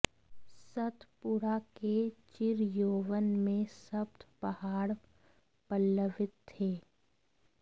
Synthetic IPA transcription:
sət̪ʰpuɾaket͡ʃɪɾjoːʋənmẽsəbt̪ʰpəhaːɽ | pəlːəʋɪt̪ʰːeː

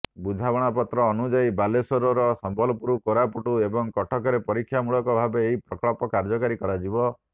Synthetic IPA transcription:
bud͡ʒʱabɔɽ̃apɔt̪ɾɔːnud͡ʒaibalesɔɾɔɾɔsɔmbʱɔlɔpuɾukoɾapuʈuebɔŋkɔʈʰɔkɔɾepɔɾikʰːjamuɭɔkɔbʱabeːɦipɾɔkɔɭɔpɔkaɾd͡ʒɔkaɾikɔɾad͡ʒibɔ

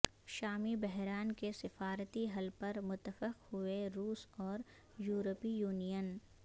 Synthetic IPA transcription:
ʃaːmibɛɦɾaːnkesɪfaːɾət̪iɦɐlpɐɾmʊt̪ːəfɪqhʊeɾuːsɔːɾ | juːɾəpijuːnijən

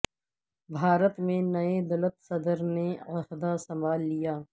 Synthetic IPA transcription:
bʱaːɾət̪mẽnɐed̪ɐlət̪sɐd̪əɾneɐhd̪asɐ̃mbaːlːijaː

